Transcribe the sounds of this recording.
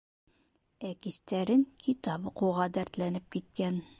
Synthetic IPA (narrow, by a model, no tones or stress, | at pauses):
ækist̪æɾɘŋkʰit̪ɑbɤquʁɑd̪æɾt̪lænɘp̚kit̪̚kæn